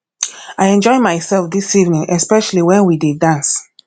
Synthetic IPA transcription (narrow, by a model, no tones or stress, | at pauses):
ajɛ̃nd͡ʒɔɪmaɪsɛlfdisivnĩŋʔɛspɛʃaliwɛ̃nwididãns